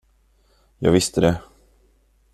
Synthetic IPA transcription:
jɑ̰ːɡvɪst̪əd̪ɛ

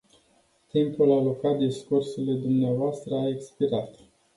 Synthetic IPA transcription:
t̪impulalokat̪̚d̪iskursele̞d̪umneavoast̪ɾəaekspiɾat̪

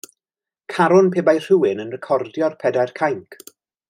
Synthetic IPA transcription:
kʰaɾʊnpʰeːbajr̥ɨwɪnənrɛkʰɔrdjɔrpʰɛdajrkʰajŋkʰ

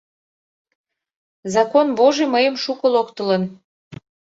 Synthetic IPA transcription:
zɑkonboʒeməjəmʃukəlokt̪ələn

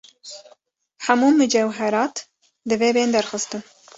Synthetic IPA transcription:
ħamuːmɨd͡ʒɛwɦɛɾɑːt̪ | d̪ɨveːbeːnd̪æɾxɨst̪ɨ

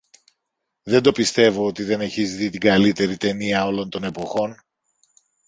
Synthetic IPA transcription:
ðe̞nd̪o̞pist̪e̞vo̞ot̪iðe̞ne̞çizðit̪iɡɐlit̪e̞ɾit̪e̞niɐo̞lo̞nt̪o̞ne̞po̞xo̞n

